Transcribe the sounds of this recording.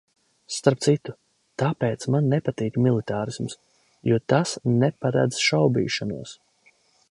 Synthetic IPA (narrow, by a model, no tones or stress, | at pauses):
st̪aɾp̚t̪sit̪u̥ | t̪apeːt̪smanːɛpat̪iːkmilˠit̪aːɾisms | juɔt̪asnɛpaɾa̰d̪zʃawbḭːʃanṵɔs